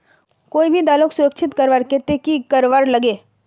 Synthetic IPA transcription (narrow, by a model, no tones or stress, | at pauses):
koːibʱid̪aːlõksʊɾəkʃʰɪt̪kɐɾʋaːɾket̪ekikɐɾʋaːɾlɐɡeː